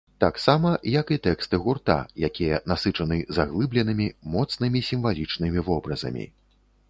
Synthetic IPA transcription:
t̪aksamɐjɐkit̪ɛkst̪ɨɣurt̪a̰jakʲijɐnasɨt͡ʂɐnɨzaɣlˠɨblʲɛnɨmʲimɔt̪snɨmʲisʲimvalʲit͡ʂnɨmʲivɔbɾɐzɐ̰mʲḭ

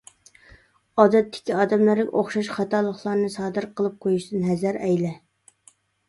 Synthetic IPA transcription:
ɑːd̪ɛt̪ʰːɪ̥kʲʰiɑːd̪ɛmlæɾɪkʲʔoχʃɑʃχɑt̪ɑːlˠəχlˠɑɾnɨsɑːd̪ɨɾqʰəlˠɨp̚qʰojuʃd̪ɨnɦɛzæɾɛjlɛ

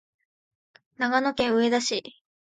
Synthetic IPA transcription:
naɡanokẽ̞ɰ̃ɯ̟e̞d̪aɕi

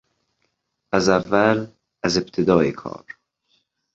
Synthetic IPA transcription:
æzævːæl | æzebt̪ʰed̪ɒːekʰɒ̰ːɾ

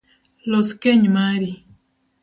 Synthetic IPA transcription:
lɔskɛɲmaɾi

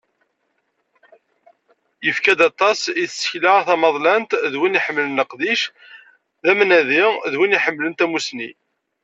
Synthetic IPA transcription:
jəfkæd̪ɑt̪ˤːɑsiθsə̥çlaʁθɑmɑðˤlænt̪ðwiniħəmːlənəqd̪iʃ | ðæmnæðiʁðwiniħəmːlənt̪æmusnḭ

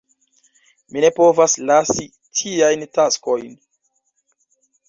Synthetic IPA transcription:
mine̞po̞vaslasi | tʰiajntasko̞jn

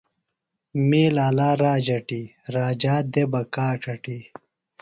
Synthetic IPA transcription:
meːlaːlaːɾaːd͡ʑɐʈiɾaːd͡ʑaːd̪ebɐkaːʈ͡ʂʰɐʈi

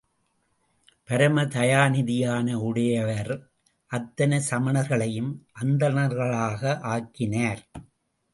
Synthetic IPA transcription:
pɐɾɐmɐt̪ɐjaːnɪðɪjaːnɐʊɽɐjɐʋɐɾ | ʔɐt̪ːɐnɐsɐmɐɳɐɾɣɐɭɐjɯmʔɐnd̪ɐnɐɾɣɐɭaːɣɐʔaːkːɪnaːɾ

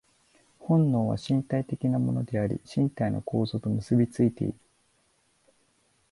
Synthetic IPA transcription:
hõ̞nːo̞ːβa̰ɕĩnt̪ait̪e̞kʲinamo̞̰no̞d̪e̞aɾʲḭɕĩnt̪aino̞̰ko̞ːzo̞ːt̪o̞mɯ̟sɨbʲit͡sɨit̪e̞̰ḭɾɯ̟

